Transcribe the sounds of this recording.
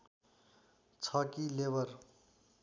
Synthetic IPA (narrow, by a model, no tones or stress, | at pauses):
t͡sʰʌkilebʌɾ